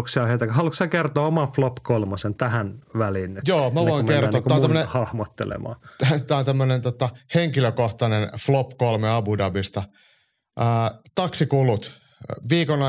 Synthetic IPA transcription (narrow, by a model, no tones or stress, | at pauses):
ksiɑhet̪ækhɑluksɑkert̪oːomɑflopːkolmosent̪æhænʋælinejoːmæʋoiŋkert̪oːt̪ːænt̪æmːnehɑhmot̪ːḛlḛmɑ̰ːt̪æont̪æmːønent̪ot̪ɑheŋkiløkoht̪ɑnenflopkolmeɑbudɑbist̪ɑ | əːt̪ɑksikulut̪ | ʋiːkonɑ